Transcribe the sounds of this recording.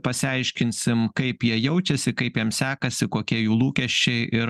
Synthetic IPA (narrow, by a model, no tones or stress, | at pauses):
pɐsʲɪɐɪʃʲkʲɪnʲsʲɪmkɐɪpjiɛjɛʊt͡ʃʲɛsʲɪkɐɪpjiɛmsʲæːkɐsʲɪkoːkʲiɛjuːlˠuːkʲɛʃʲt͡ʃt͡ʃʲɛɪʔɪɾ